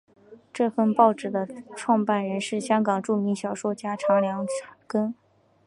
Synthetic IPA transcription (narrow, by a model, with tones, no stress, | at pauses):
ʈ͡ʂɤ˥˧fə˥˧npɑ˥˧ʊʈ͡ʂɻ̩˥˩d̪ə˦ʈ͡ʂʰwɑ˥˧ŋpa˥˩nɻə˧˥nʂɻ̩˥˩ɕjɑ˥ŋkɑ˨˩ŋʈ͡ʂu˥˩mi˧˥ŋɕjɑ˨˩ʊʂwɔ˥t͡ɕja˥ʈ͡ʂʰɑ˧˥ŋljɑ˧˥ŋa˨˥˩kə˥n